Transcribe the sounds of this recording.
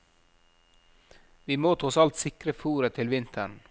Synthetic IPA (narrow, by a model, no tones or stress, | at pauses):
ʋiːmoːt̪ʊsɑlt̪sɪkɾəfuːɾət̪ʰɪlʋɪnt̪ʰəɳ